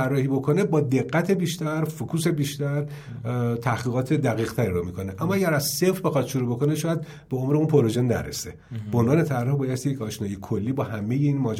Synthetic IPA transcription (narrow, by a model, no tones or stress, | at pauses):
ærːɒːhiːbo̞kʰo̞ne̞bɒːd̪e̞ɣːæt̪ʰebiːʃt̪æɾfokʰuːse̞biːʃt̪æɾ | t̪ʰæhɡiːɣɒːt̪ʰe̞d̪æɣiːɣt̪ʰæɾiɾomikʰo̞ne̞ʔæmːɒæɡæɾæzse̞fɾbe̞xɒt̪ʃoɾubo̞ko̞ne̞ʃɒːjæd̪̚ | beo̞mɾeunpʰo̞ɾoʒenːæ̰ɾḛse | bo̞nvɒːne̞t̪ʰærːɒhbɒːjest̪ijecʰɒːʃnɒːjekʰo̞lːiːbɒːhæme̞jeinmɒːd͡ʒ